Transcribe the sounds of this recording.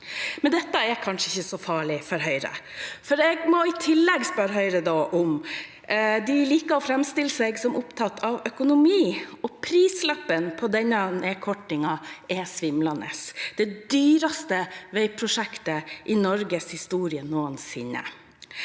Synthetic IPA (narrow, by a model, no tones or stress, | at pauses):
mɛnd̪ɛt̪ːəɛɾkʰɑnʂəɪçːəsɔfɑːɭɪfɔɾɦœʏɾə̰fɔɾɛɡmɔɪt̪ʰɪlːɛɡspœɾɦœʏɾəd̪oːʔʊm | d̪ɪliːkəɔfɾɛmst̪ɪləsɛɡsɔmʔʊpt̪ʰɑt̪ːʰɑʋœkʊnʊmiːɔpʰɾiːslɑpːənpʰɔd̪ɛnːɑneːkʰɔʈːɪŋɑɛsʋɪmlɑnə̰sd̪̥ɛd̪yːɾɑst̪əʋæɪpʰɾʊʂɛkt̪əʔɪnɔɾɡəshɪst̪uːɾɪənuːənsɪ̰nːə̰